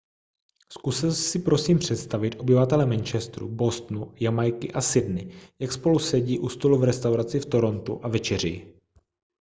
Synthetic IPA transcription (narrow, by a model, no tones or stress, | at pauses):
skusɪlsɪpɾo̞siːmpr̝̥ɛt̪st̪avɪt̪ʔo̞bɪvat̪ɛlɛmɛnt͡ʃɛst̪ɾṵbo̞st̪nujamajkɪʔasɪd̪nɪjakspo̞lusɛɟiːʔust̪oluvɾɛst̪awɾat͡sɪft̪o̞ɾo̞nt̪ṵʔavɛt͡ʃɛr̝ɪj